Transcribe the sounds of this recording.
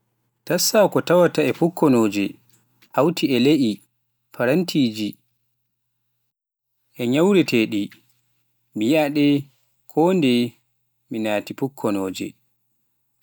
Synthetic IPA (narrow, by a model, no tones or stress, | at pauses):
tasːakɔtawataɛpukʰːɔnoːd͡ʒɛ̰ | hawtʰiɛleʔi | pʰaɾantʰiːd͡ʒi | ʔɛɲawɾɛtʰeːɗi | mijaɗɛ | kʰɔːndɛ | minaːtipukʰːɔnoːd͡ʒɛ̰